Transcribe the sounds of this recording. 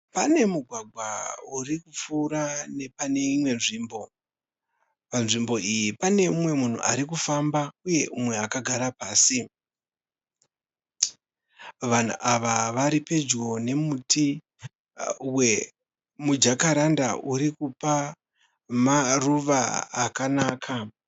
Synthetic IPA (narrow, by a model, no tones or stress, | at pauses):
pane̞muɡʱwaɡʱwaurikup͡fuːɾane̞pane̞imwe̞nʐiːmbo̞ | panʐimbo̞ijipane̞umwe̞mun̤ṵʔaɾikufambauje̞ʔumwe̞akaɡʱaɾapaːsi | ʋan̤ṵʔaʋaʋaɾipe̞d͡ʒɡo̞ne̞muti | we | mud͡ʒakaɾandaʔuɾikupa | maruʋa̰ːkanaːkʰa